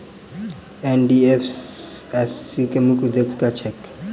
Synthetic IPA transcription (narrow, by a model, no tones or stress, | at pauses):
ɛndiɛfɛsikʼɛmukʼud̪ekkʼat͡ʃʰɛk